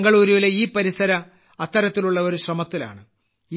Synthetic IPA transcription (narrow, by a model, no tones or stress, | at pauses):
ŋɡɐɭuːɾuʋileiːpɐɾisɐɾɐ | ɐt̪ːɐɾɐt̪ːiluɭːɐo̞ɾuɕrɐmɐt̪ːila̰ːɳɨ | i